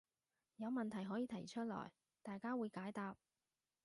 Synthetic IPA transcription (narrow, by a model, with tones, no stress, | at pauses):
jɐ˨˧wmɐ˨nt̪ʰɐ˨˩jɦɔː˨˥jiː˨˧t̪ʰɐ˨˩jt͡ʃʰɵ˥t̚lɔ̰ː˨˩j | t̪aː˨jkaː˥wuː˨˧jkaː˨˥jt̪aː˨˧p̚